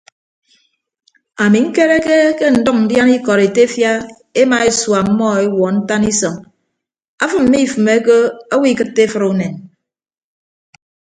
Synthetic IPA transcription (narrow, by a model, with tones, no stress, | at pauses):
a˨mi˨ŋ̩˦ke˦ɾe˦ke˦ke˦n̩˨dɔ˦k̚n̩˨dja˦ni˦kɔ˨ɾe˨te˦fja˦ | e˦ma˨e˦swa˨m̩˦mɔ˦e˦wɔ˨n̩˦ta˦ni˦sɔ˨ŋ | a˦fɨ˦m̩˨˦mi˦˨fɨ˨me˦ke˦a˦wi˦˨kɨ˦tːe˦fɨ˦ɾu˨ne˨n